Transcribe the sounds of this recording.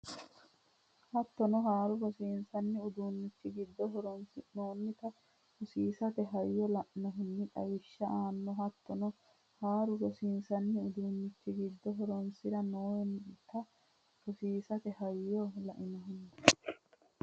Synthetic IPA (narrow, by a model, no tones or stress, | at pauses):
hɐt̪ːɔnɔɦaːɾʊɡɔsiːnsɐnːɪʊd̪uːnːɪt͡ʃːɪɡɪd̪ːɔɦɔɾnnoːnːɪt̪ɐ | hʊsiːsɐt̪ɛɦɐjːɔlɐʔɪnɔɦʊnːɪᶑ̪ɐ̰wɪʃːɐʔaːnːɔɦɐt̪ːɔnɔ | haːɾʊɡɔsiːnsɐnːɪʊd̪uːnːɪt͡ʃːɪɡɪd̪ːɔɦɔɾɔnsɪɾɐnoːjnt̪ɐ | ɾʊsiːsɐt̪ɛhɐjːɔlɐʔɪnɔɦʊnːɐ